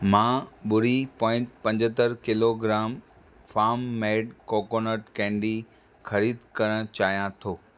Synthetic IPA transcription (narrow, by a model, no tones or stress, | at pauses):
mãːɓʊɽipɔ̃ːɪ̃ɳʈpɐ̃ɲd͡ʑət̪əɾkɪloɡɾaːm | faːmːeːɖkoːkoːnəʈkɛ̃ːɳɖi | xɐɾiːd̪kɐɾəɽ̃t͡ɕaːɦijãt̪ʰoː